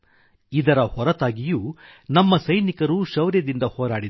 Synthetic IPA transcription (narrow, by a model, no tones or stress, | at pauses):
id̪ɐɾɐhɔɾɐt̪aːɡijuːnɐmːɐsɐjnikɐɾuːʃɐʋɾjɐd̪ind̪ɐhoːɾaːɽid̪